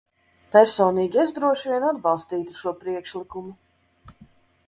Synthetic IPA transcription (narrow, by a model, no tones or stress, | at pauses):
pæɾsɔːniːɡʲiɛzd̪ɾuɔʃviɛnad̪bɑlˠst̪iːt̪uʃuɔpɾiɛkʃlˠikumu